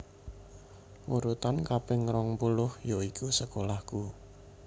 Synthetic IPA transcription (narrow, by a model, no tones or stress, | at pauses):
wuɾut̪ankapɪŋɾɔŋpulʊhjoikʰusəkolahku